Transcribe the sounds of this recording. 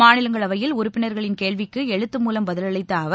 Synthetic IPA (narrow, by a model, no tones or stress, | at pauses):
aːnɪlɐŋɡɐɭɐʋɐjɪlʊɾʊpːɪnɐɾɣɐɭɪnkeːɭʋɪkːɯɛɻɯt̪ːɯmuːlɐmbɐðɪlɐɭɐɪt̪ːɐɐʋ